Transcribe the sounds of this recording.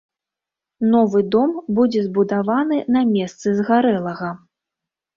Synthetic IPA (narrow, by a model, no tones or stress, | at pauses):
nɔvɨd̪ɔmbud͡zʲɛzbud̪avanɨnɐmʲɛst̪sɨzɣaɾɛlˠɐɣɐ